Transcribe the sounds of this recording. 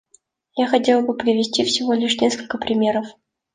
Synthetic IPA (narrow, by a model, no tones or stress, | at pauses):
jaxɐtʲe̞lˠbɨpɾʲɪvʲɪsʲtʲifsʲɪvo̞lʲɪʂnʲe̞skəlʲkəpɾʲɪmʲe̞ɾəf